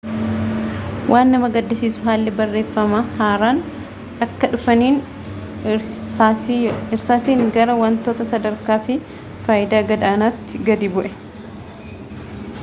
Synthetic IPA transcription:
wʔaːnːɐmɐɡɐd̪ːɪsiːsʊɦaːlːɛbɐrːe̞ːfːɐmaːhaːɾaːn | ɐkːɐᶑʊfɐniːn | ɪɾsaːsiːŋɡɐɾɐwɐnt̪oːt̪ɐsɐd̪ɐɾkaːfɪ | faːjɪd̪aːɡɐd̪aːnaːt̪ːɪɡɐd̪iːbʊʔɛ

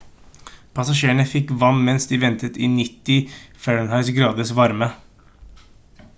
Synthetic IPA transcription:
pʰɑsɑʃeːəɳəfɪkʋɑmmɛnsd̪iːʋɛnt̪ət̪ɪːnɪt̪ːɪfɛɹəɳhɑɪsɡɾɑːd̪əsʋɑɾmə

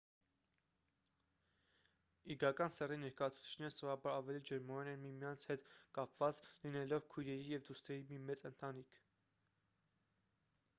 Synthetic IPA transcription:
iɡɑkɑnsɛrinɛɾkɑjɑt͡sʰu̥t͡sʰi̥t͡ʃʰnɛɾəsɾɑbɑɾɑvɛlid͡ʒəɾmɑɾɛnɛnmimjɑnt͡sʰhɛt̪kɑpvɑt͡slinɛlɔvkʰujɾɛɾijɛvd̪ust̪ɛɾimimɛt͡sənt̪ɑnikʰ

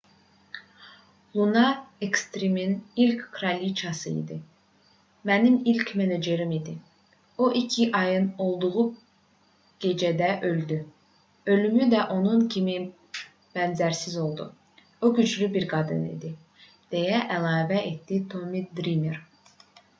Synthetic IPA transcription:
lˠunɑekst̪ɾiminilckʰɾɑlʲit͡ʃʰɑsɯḭd̪i | mænimilʲcʰmened͡ʒeɾimid̪i | oʔicʰiʔɑjɯno̞lˠd̪uʁu | ɡ̥e̞d͡ʒæd̪æʔø̞ld̪y | ø̞lymyd̪æʔo̞nuncʰimi | b̥ænzæɾsizo̞lˠd̪u | oɟyd͡ʒlybiɾɡɑd̪ɯ̰nḭd̪i | d̪̥e̞jæʔælˠɑːvæʔet̪d̪it̪ʰo̞mid̪ɾimeɾ

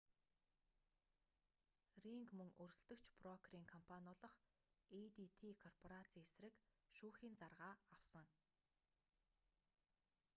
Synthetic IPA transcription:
riŋkmɵŋɵrʲst̪ɵ̆kt͡ɕʰprɔkʰriːŋkʰɔmpʰanʊːɮɞ̆χ | et̪it̪ʰiːkʰɔrpʰɔɾat͡sʰiːesrɘ̆kʃuːxiːnt͡sarʁaːawsə̆ŋ

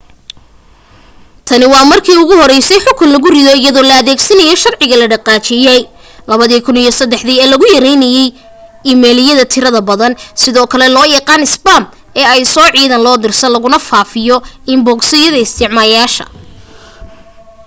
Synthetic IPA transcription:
t̪ʰɐnɪwɑːmɐrkʰiːʊɣʊhɔɾɛjsɛjħʊkʰʊnlɐɣʊrɪðɔɪjɐðɔːlɐɐðɛːɡsɐnɐjɛʃɐrʕɪɣɐlɐɖɐqɑːt͡ʃʰɪjɛj | lɐβɐðiːkʰʊnijɔsɐd̪ːɛħðiːɛːlɐɣʊjɐɾɛjnɐjɛj | ɪmɛːlɪjɐðɐt̪ʰɪɾɐðɐbɐðɐnsɪðɔːkʰɐlɛlɔːjɐqɑːnɪsbam | ɛːɛjsɔːʕiːðɐnlɔːd̪ɪrsɐnlɐɣʊnɐfaːfɪjɔɪmbɔːksɪjɐðɐɪst̪ʰɪʕmaːjaːʃɐ̰

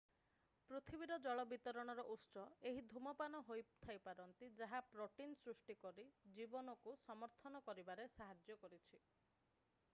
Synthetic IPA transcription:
pɾot̪ʰibiɾɔd͡ʒɔɭɔbit̪ɔɾɔɽ̃ɔɾɔʔusɔeɦid̪ʱumɔpanɔɦojt̪ʰajpaɾɔnt̪id͡ʒaɦapɾɔʈinsɾusʈikɔɾid͡ʒibɔnɔkusɔmɔɾt̪ʰɔnɔkɔɾibaɾesaɦad͡ʒjɔkɔɾit͡ʃʰi

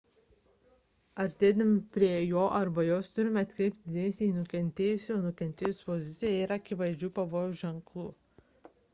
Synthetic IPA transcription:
ɐɾʲt̪ʲeːd̪ɐmʲɪpʲɾʲiɛjoːʔɐɾbɐjoːst̪ʊɾʲɪmʲɛɐt̪ʲkɾʲɛɪp̚ʲt̪̚ʲd̪ʲɪd̪ʲeːnʲsʲiiːnʊkʲɛnʲt̪ʲeːjʊsʲoːnʊkʲɛnʲt̪ʲeːjʊsʲpɔzʲɪt̪sʲɪjɛɪɾɐkʲɪʋɐɪd͡ʒʲuːpɐʋoːjʊʒʲɛŋklˠṵː

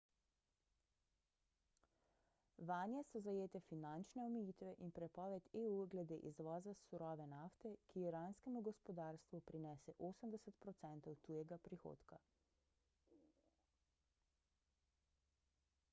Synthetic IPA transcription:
ʋaːnjɛsɔzajeːt̪ɛfinant͡ʃnɛɔmɛjiːt̪ʋɛʔinpɾɛpɔːʋɛt̪euːɡlɛd̪eːʔizʋɔːzasuɾɔːʋɛnaft̪ɛkiiɾanskɛmuɡɔspɔd̪aːɾst̪ʋupɾinɛːsɛʔoːsəmd̪ɛsət̪pɾɔt̪sɛnt̪ɔwt̪uːjɛɡapɾixo̰ːt̪ka

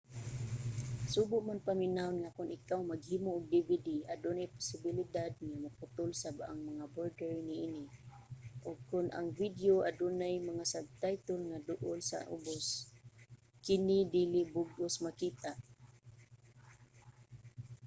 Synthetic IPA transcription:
subʊʔmanpamɪnaʊnŋakʊnʔɪkawmaɡ̚hiːmʊʔʊɡ̚d̪ɪvɪd̪iad̪ʊnajpʊ̥sɪbɪlɪd̪ad̪̚ŋamapʊt̪ʊlsabaʔa̰ŋmaŋaboɹdɛɹnɪʔinɪ | ʔʊɡ̚kʊnʔa̰ŋvid̪joʔad̪ʊnajmaŋasaɡ̚t̪ajt̪ʊlŋad̪ʊʔʊlsa̰ʔʊ̰bos | kɪnɪd̪ilɪbʊɡʔʊsmakiːt̪aʔ

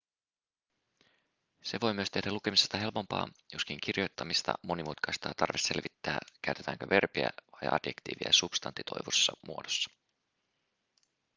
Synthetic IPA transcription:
se̞ʋo̞jmyøst̪e̞hdæluke̞misest̪ɑɦe̞lpo̞mpɑ̰ːjoskiŋk̟irjo̞jt̪ːɑmist̪ɑ̰mo̞nimut̪kɑjst̪ɑːt̪ɑrʋese̞lʋit̪ːæːk̟æyt̪et̪æːŋkøʋe̞rpiæ̰ʋɑjʔɑ̰djekt̪ḭːʋiæ̰sub̥st̪ɑnt̪ːit̪ʰo̞̰jʋusːɑmuodosːɑ̥

